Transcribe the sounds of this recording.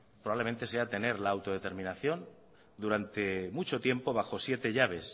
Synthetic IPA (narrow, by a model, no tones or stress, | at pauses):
pɾoβaβlemẽnt̪e̞se̞at̪e̞ne̞ɾlaːwt̪o̞ð̞e̞t̪e̞ɾmĩnaθjo̞n | d̪uɾant̪e̞mut͡ʃo̞t̪je̞mpo̞β̞axo̞sje̞t̪e̞ʝaβ̞e̞s